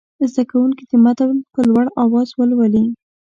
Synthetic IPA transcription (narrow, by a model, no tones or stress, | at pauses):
zd̪akawuŋkid̪əmat̪awlpəlwaɽɑwɑzwəlwali